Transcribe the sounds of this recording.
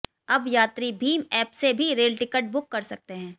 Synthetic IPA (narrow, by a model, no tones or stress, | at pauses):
ɐbjaːt̪ɾibʱiːmɛːpsebʱiɾeːɖʈɪkəʈ̚bʊkːɐɾsɐk̚t̪eɦɛ̃ː